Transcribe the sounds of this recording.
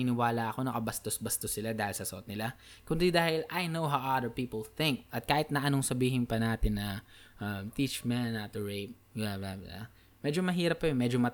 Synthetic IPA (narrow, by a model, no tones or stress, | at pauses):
ɪnɪwaːlaʔɐko̞nɐkɐbɐst̪osbɐst̪osːɪlad̪aːhɪlsɐsɐʔot̪̚nɪla | kʊnd̪ɪd̪aːhɪlʔɐjnowɦawʔɐd̪əɹpiːpɐlθɪ̃ŋk̚ʔɐt̪̚kaːhɪt̪nɐʔɐnoŋsɐbiːɦɪnpɐnaːt̪ɪnːɐʔɐmt̪it͡ʃmɛnat̪ʊɹejp̚ | jaaa̰ | mɛd͡ʒomɐɦiːɾɐp̚ːɐjʊnmɛːd͡ʒomɐ